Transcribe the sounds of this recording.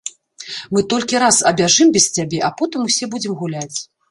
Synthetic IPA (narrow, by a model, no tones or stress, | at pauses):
mɨt̪ɔlʲkʲiɾasɐbʲaʐɨmbʲɛst͡sʲabʲɛʔapɔt̪ɨmusʲɛbud͡zʲɛmɣulʲat͡sʲ